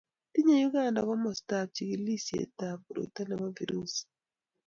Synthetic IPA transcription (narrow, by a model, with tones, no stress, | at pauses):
ti˦ɲe˦ju˦ɡa˦˨nda˨kɔ˦mɔ˨sta˨p̚t͡ʃi˨ki˨li˦sjḛ˨ta˨pu˨ɾo̰˨ta˦nɛ˨ma˦vi˨ɾu˦s